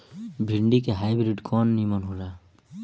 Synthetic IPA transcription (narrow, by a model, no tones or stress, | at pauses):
bʱiɳɖikeɦajbɾiɖkɔnːimɔnɦola